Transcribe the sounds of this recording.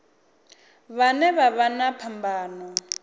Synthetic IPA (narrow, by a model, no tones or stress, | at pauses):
βanɛβaβanapʰambaːnɔ